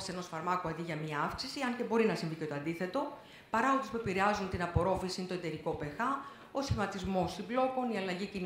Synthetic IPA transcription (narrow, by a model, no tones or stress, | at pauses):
se̞no̞sfɐɾmɐkoɐd̪iʝɐmiɐɐfksisiɐnce̞bo̞ɾinɐsiɱvice̞t̪oɐnd̪iθe̞t̪o̞ | pɐɾɐot̪ispuepiɾeɐzunt̪inɐpo̞ɾo̞fisint̪o̞e̞t̪e̞ɾiko̞pe̞xɐ | o̞sçimɐt̪izmo̞simblo̞ko̞niɐlɐʝicin